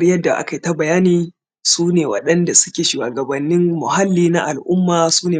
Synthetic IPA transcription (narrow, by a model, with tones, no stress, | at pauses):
rjɐ˦dːa˨ʔa̰˦ka˨jta˦bɐ˨jaː˦niː˨ | suː˦neː˨wɐ̰˨ɗɐ˦nda˨sʊ̥˦kʲeː˨ʃu˨waː˨ɡɐ˨bɐ˨nːɪ˦mːʊ˨ɦa˦lːiː˦na˦ʔa˨lʔʊ˦mːaː˨suː˦neː˨